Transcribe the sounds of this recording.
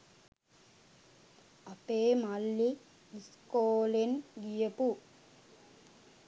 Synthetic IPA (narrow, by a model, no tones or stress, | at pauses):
ɐpeːmɐlːiː | skoːlenɡijɐpu